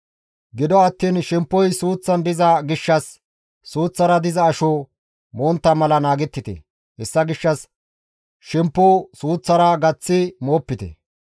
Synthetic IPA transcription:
ɡɪd̪ɔɐt̪ːiːnʃɛmpːɔjsuːt͡sːɐnd̪ɪzɐɡɪʃːɐsː | uːt͡sːɐɾɐd̪ɪzɐːʃo | moːnt̪ːɐmɐlɐnaːɡɛt̪ːɪt̪ɛ̰ | hɛsːɐɡɪʃːɐs | ʃɛmpːʊsuːt͡sːɐɾɐɡɐt͡sːɪmoːpːɪt̪ɛ̰

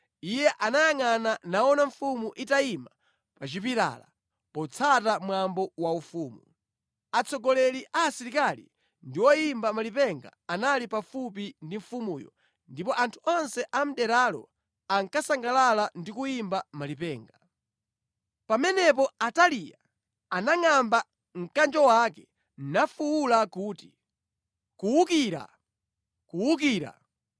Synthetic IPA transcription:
ijɛʔanajaŋananaɔnaɱfumuʔitaima | pat͡ʃipiɾa̰la̰ | pɔt͡sʰatamwambɔwaufuːmu | at͡sʰɔɡɔlɛliʔaːsiɾikalḭ | ndiwɔjimbamalipɛŋɡa̰analipafup̬indiɱfumuːjɔ̰ | ndipɔʔantʰuɔnsɛʔam̩ɗɛɾalɔ̰ | aŋkasaŋɡalalandikujimbamalipɛːŋɡa | pamɛnɛp̬ɔatalija | anaŋamba | ŋ̩kand͡ʒɔwakɛ | n̩nafuwulakuːti | kuwukiːɾa̰ | kuwuk̬iːɾa̰

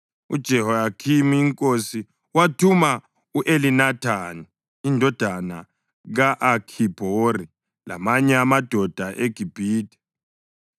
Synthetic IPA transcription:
ṵd̥ʒ̥ʱɛhɔjakʰimiːŋkʼosi | watʰuma | uʔelinatʰani | indʱɔd̥ʱana | ɣaʔakʰib̥ʱori | la̰maɲɛamad̥ʱɔd̥ʱaʔeɡ̥ʱib̥ʱiːdɛ̥

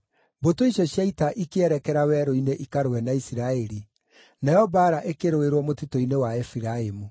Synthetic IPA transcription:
botoiʃɔɕjaitaʔikeɛɾɛkɛɾawɛɾoineʔikaɾowɛnaisiɾaɛɾi | najɔbaɾaʔekeɾoeɾwɔmotitoinewaɛfiɾaemu

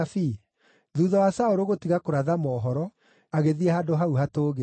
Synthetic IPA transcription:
fi | ðuːðɔwasaoɾoɣotiɣakoɾaðamɔːɦɔɾɔ | aɣeðiɛhadoɦauɦatoːɣe

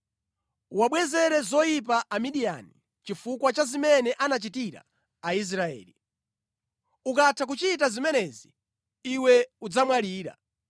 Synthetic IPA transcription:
waɓwɛzɛɾɛzɔjip̬aʔamiɗija̰ni | t͡ʃifukwat͡ʃazimɛnɛʔanat͡ʃitiɾa̰ | ais̬ɾaɛ̰ːli | ukatʰak̬ut͡ʃitazimɛnɛziː | wɛud͡zamwaliːɾa̰

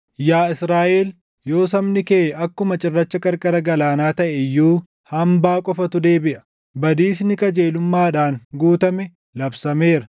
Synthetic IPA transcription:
jaːɪsɾaːʔeːl | jo̞ːsɐmnɪkeːɐkːʊmɐt͡ʃʼɪrːɐt͡ʃːɐkʼɐɾkʼɐɾɐɡɐlaːnaːt̪ɐʔɛjːuː | hɐmbaːkʼɔfɐt̪ʊd̪eːbɪʔɐ̥ | bɐd̪iːsnɪkʼɐd͡ʒe̞ːlʊmːaːɗaːŋɡuːt̪ɐmɛ | lɐbsɐme̞ːɾɐ

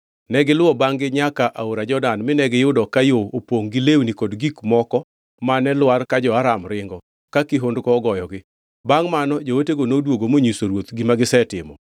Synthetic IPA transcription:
nɛɡɪlʊɔbaŋɡɪɲakaʔaoɾad͡ʒɔdanmɪnɛɡɪjʊdɔkajoopoŋɡilewnikɔdɡikmɔkɔ | manɛlwarkad͡ʒɔaɾamɾɪŋɡɔ | kakiɦondkɔːɡɔjɔɡɪ | baŋmanɔd͡ʒowoteɡonodwoɡomoɲisoɾwot̪ɡimaɡɪsɛtɪmɔ̰

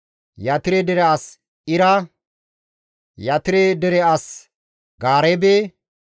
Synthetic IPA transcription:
jɐt̪ɪɾɛd̪ɛɾɛas | ɪɾɐ | jɐt̪ɪɾed̪ɛɾɛɐs | ɡaːɾɛbe

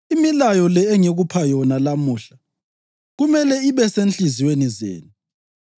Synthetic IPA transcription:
imilajɔlɛːŋeɣupʰajɔnalamuːɬa | ɣumɛlɛiβɛsent͡ɬʼiziwenizḛːnu

